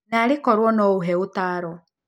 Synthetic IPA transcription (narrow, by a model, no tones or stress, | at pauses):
naɾekɔɾwɔnɔoɦɛotaːɾɔ